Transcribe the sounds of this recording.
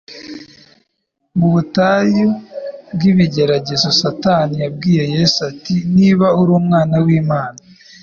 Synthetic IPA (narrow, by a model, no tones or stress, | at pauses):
muβutajobɡiβiɟe̞ɾaɟe̞zo̞satanijab̚ɡiːje̞jesatiniβauɾuːmŋaːnawiːmaːna